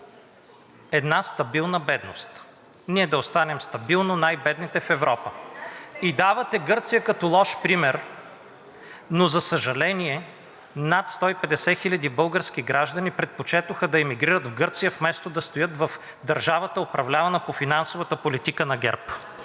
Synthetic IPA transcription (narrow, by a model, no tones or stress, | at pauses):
ɛd̪nast̪ɐbilˠnəbɛd̪no̰st̪ | niɛd̪ɐost̪anɛmst̪ɐbilˠnonajbɛd̪nit̪ɛfɛvɾɔpə | id̪avɐt̪ɛɡɤɾt̪sijəkɐt̪olˠɔʃpɾimɛɾ | nozɐsəʒɐlɛniɛ | nat̪st̪ɔipɛd̪ɛsɛxilʲɐd̪ibɤlˠɡəɾsk̟iɡɾaʒd̪ɐnipɾɛt̪̚pot͡ʃɛt̪ʊxəd̪ɐɛmiɡɾiɾəd̪vɡɤɾt̪sijəfmɛst̪od̪ɐst̪ojɤt̪vɐf | d̪ɐɾʒavət̪əopɾɐvlʲavɐnəpofinansovət̪əpolit̪ikənɐɡɛ̰ɾp